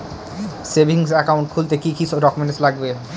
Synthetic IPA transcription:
sebʱiŋsɛkauɳʈ̚kʰult̪ekikiɾɔkmɛneslaɡbe

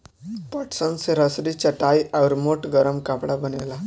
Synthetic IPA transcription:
pəʈsənseɾəsɾit͡ɕaʈajʔawɾmoʈɡəɾəmkapɽabənela

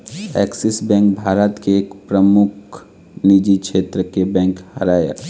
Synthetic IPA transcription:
ɛ̰ːksɪsbɛ̃ːŋk̚bʱaːɾət̪keːkpɾəmʊkʰ | nid͡ʒikʃeːt̪ɾəkebɛ̃ːŋkhɐɾaːja̰

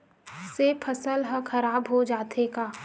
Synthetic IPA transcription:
sepʰɐsəlɦə̃kʰɐɾaːbɦod͡ʒaːt̪ʰekaː

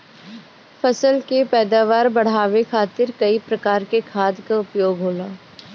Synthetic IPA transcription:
fʰɐsəlkepɛːd̪aːʋaːɾbɐɽ̤aːʋekʰaːt̪ɪɾkɐipɾɐkaːɾkekʰaːd̪kaʊpjoːɡɦoːlaː

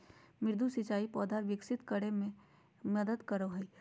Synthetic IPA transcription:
mɪɾd̪ʱusɪt͡ʃaːipɔːd̪ʱaːɾʋɪksɪt̪kəɽe | mɐd̪əd̪kɐɾoɦɛ

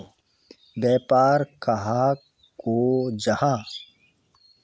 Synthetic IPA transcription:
bjɛːpaːɾkɐɦa | kod͡ʒɐhãː

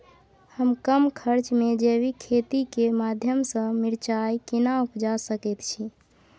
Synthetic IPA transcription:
həmkəmkʰəɾt͡ʃmed͡ʒeβikʰet̪ikemad̪ʱjəmsə̃miɾt͡ʃajkinaupd͡ʒasəkɛt̪t͡ʃʰi

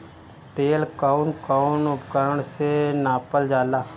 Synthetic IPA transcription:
t̪eːlkaʊnkaʊnʊpkəɾəɳsenaːpəld͡ʒaːlaː

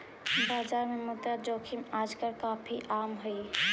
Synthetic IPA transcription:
baːd͡ʒaɾmemut̪ad͡ʒokʰimad͡ʒkəɾkapʰiʔamɦʊi

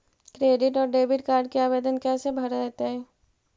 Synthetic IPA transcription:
kɾeːɖɪʈɔːɾɖeːbɪʈkaːɾɖkiaːʋeːd̪ənkɛːsebʱɐɾɾɛɦt̪eɦɛː

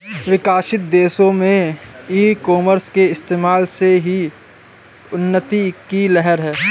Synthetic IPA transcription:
ʋɪkaːʃɪt̪̚d̪eːsõmẽiːkɔːməɾskeɪst̪eːmaːlseɦi | ʊnːət̪ikilɛɦɛɾɦɛː

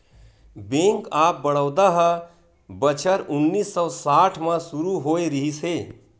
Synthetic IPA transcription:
bẽŋkap̚bəɽ̤̃əʊd̪aɦə | bət͡ʃʰəɾunːisːɔsaʈʰmãsuɾuɦoeɾiɦise

